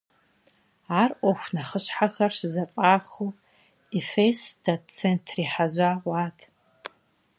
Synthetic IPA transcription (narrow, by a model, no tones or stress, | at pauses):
aːrʔʷoxʷnaχəɕħaxɐrɕzapʼaːxu | ifesdat͡sʰentʰriħaʒʷawaːtʰ